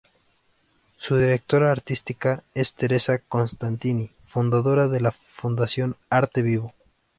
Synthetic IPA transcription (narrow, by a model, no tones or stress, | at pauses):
suðiɾe̞k̚t̪o̞ɾaːɾt̪ist̪ikaest̪e̞ɾe̞sako̞nst̪ant̪ini | fund̪aðo̞ɾaðe̞la | fund̪asjo̞naɾt̪e̞βiβo̞